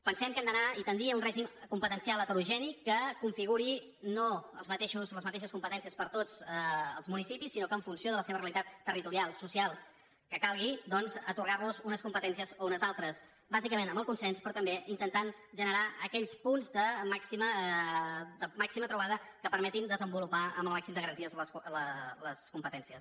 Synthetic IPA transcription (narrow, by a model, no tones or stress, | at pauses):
pənsɛmkɛmd̪ənait̪ənɾiəunrɛʒimkumpət̪ənsialˠət̪əɾuʒɛnikːəkuɱfiɣuɾi | noəlˠzmət̪eʃuzləzmət̪eʃəskumpət̪ɛnsiəspəɾt̪od͡zəəlˠzmunisipisːinokəɱfunsioðələseβəreəlit̪at̪ːərit̪uɾialˠsusialˠ | kəkalˠɣ̞id̪ɔnzət̪urɣaɾβuzunəskumpət̪ɛnsiəzounəzalˠt̪ɾəs | bazikəmenəmbəlˠkunsɛnspɾɔt̪əmbeʔint̪ənt̪an | ʒənəɾaəkɛʎspunzd̪əmaksimə | d̪əmaksimət̪ɾuβ̞aðəkəpəɾmɛt̪ind̪əzəmbulupaə̰mbəlˠmaksimd̪əɣəɾənt̪iəzlələskumpət̪ɛnsiəs